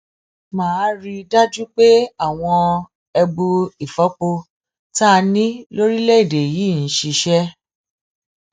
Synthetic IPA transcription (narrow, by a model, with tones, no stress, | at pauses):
mãː˨˦˧ɾi˧da˦d͡ʒu˦k͡pe˦a˦˨w̃ɔ̃˧ | ɛ˧bu˧i˨fɔ˨˦k͡po˧ | ta˦˧nĩ˦lo˦ɾi˦lɛ˦i˦˨de˨jiː˨˦˨n̩˨˦ʃi˧ʃɛ˦